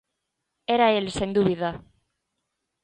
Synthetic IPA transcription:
eɾaelsend̪uβiða

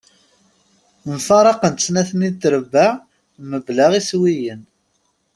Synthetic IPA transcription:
nfɑɾˤɑqənt̪snæθənit̪ːɾəbːaʕ | məbləʁiswijən

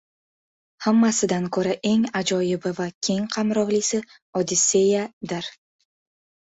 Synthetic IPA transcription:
hamːasɪd̪ankʰoɾaʔe̞ŋad͡ʒɒjɪbɪvakʲʰe̞ŋqʰɑmɾɒʁlisɪ | ɒd̪ɪse̞jad̪ɪɾ

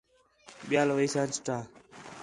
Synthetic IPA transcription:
ɓɪjaːlʋəiːsãːt͡ʃɪ̥ʈãː

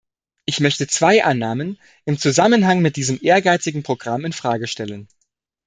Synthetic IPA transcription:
ʔɪçmœçtət͡sv̥aɪʔanːaːmən | ʔɪmt͡suzamənɦaŋmɪt̚d̥iːzəmʔeːɐɡaɪt͡sɪɡŋ̩pʁ̥oɡʁamɪnfʁ̥aːɡəʃtɛlən

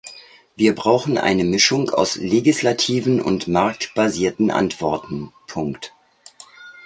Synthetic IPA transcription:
viːɐbʁaʊxn̩ʔa̰ɪnəmɪʃʊŋa̰ʊsleɡɪslatʰiːvnʔʊ̰ntmaɐk̚tb̥aziːɐtn̩ʔa̰ntv̥ɔɐtn̩pʰʊŋkt

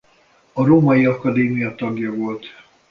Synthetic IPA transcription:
ɒɾoːmɒjiɒkɒd̪eːmijɒt̪ɒɡjɒvo̞lt̪

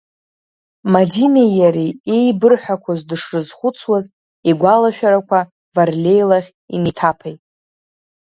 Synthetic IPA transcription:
madinejaɾiejbɨrħʷᶣakʷʰazdɨʂrɨzχʷʊt͡sʰwaz | iɡʷalaʃᶣaɾakʷʰa | varlʲe̞jlaʁʲ | ḭnitʰapʰajtʼ

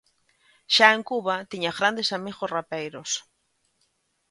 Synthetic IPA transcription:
ʃaeŋkuβat̪iɲaɣɾand̪esamiɣosrapejɾos

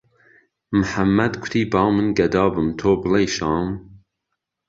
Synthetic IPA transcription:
mɨħamːæd̪kʰʊ̥t̪ʰiːbɑːmɨnɡɛd̪ɑːbɨmt̪ʰoːbɨlejʃɑːm

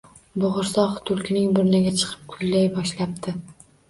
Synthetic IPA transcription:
bʊʁʊɾsɒχt̪ʰʊlˠkʲʰɪnɪŋbʊɾnɪɡʲat͡ʃʰɨ̥qʰɨ̥p̚kʰʊlːajbɒʃlap̚t̪ʰɪ

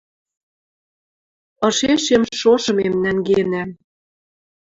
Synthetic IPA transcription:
ɤ̆ʃeʃemʃoʃɤ̆memnæŋɡenæm

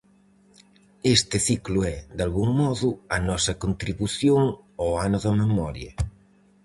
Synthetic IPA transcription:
est̪ɪθikluɛd̪alɣuŋmɔðuɐnɔsɐkont̪ɾiβuθjoŋ | oanoðɐmemɔɾjɐ̰

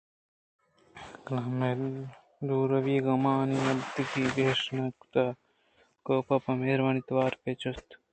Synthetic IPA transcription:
klɐme | d̪uːɾɐʋiːɡɐmaːniɐlt̪ikiːbeːʂnɐkt̪ɐ | koːpɐpɐmeːɾʋɐnit̪ʋaːɾpet͡ʃost̪

